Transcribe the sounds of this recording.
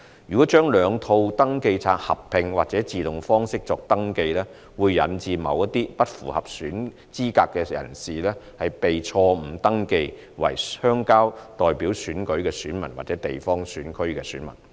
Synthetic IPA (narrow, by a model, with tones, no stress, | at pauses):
jyː˨˩kɔː˨˥t͡ʃœː˥ŋlœː˨˧ŋt̪ʰo˧wt̪ɐ˥ŋke˧jt͡sʰaː˧t̚hɐ̰˨p̚pʰːɪ˧ŋwaː˨t̚t͡sɛː˨˥t͡siː˨t̪ʊ˨˩ŋfɔː˥ŋsɪ˥k̚t͡sɔː˧k̚t̪ɐ˥ŋke˧jlɛː˥ | wuː˨˧jːɐ̰˨nt͡siː˨mɐ̰˨˧wjɐ˥t̪iː˥pɐ˥t̚fṵː˨˩hɐ˨p̚syː˨˥n | t͡siː˥kaː˧kːɛː˧jɐ̰˨˩nsiː˨lɛː˥hɐ˨jpe˨jt͡sʰɔː˧m̩˨˩t̪ɐ˥ŋke˧j | wɐ̰˨˩jhœː˥ŋkaː˥wt̪ɔː˨jpiː˨˥wsyː˨˥nkɵ˨˥ɥkɛː˧syː˨˥nmɐ˨˩nwa̰ː˨t̚t͡sɛː˨˥t̪e˨jfɔː˥ŋsyː˨˥nkʰɵ˥ɥkɛː˧syː˨˥nmɐ̰˨˩n